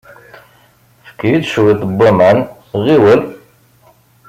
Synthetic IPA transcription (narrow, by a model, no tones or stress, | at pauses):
fə̥kːjid̪ʃwit̪ˤbːamæn | ʁiwəl